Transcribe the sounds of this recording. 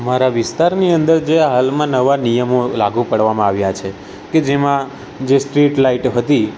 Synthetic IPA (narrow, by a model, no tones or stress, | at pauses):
maɾaʋɪst̪aɾniənd̪əɾd͡ʒeɦalmãnəʋanijəmolaɡupəɽʋamãaʋjat͡ʃʰe | ked͡ʒemã | d͡ʒesʈɾiʈlaiʈɦət̪i